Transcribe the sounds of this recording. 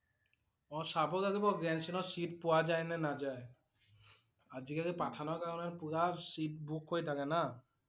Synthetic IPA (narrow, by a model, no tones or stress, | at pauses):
ɔsabɔkaɡibɔɡɾɛnsinɔsiʈpowad͡ʒajnɛnad͡ʒae | ad͡ʒikakepaʈʰanɔkaɾɔneɾpuɾaɾsit̚bʱukʰɦojt̪ʰakena